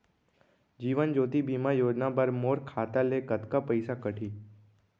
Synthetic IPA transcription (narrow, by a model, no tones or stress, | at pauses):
d͡ʒiːʋənd͡ʒoːt̪ibimãjoːd͡ʒnabəɾmoːɾkʰaːt̪alekət̪kapəɪjsakəʈʰiː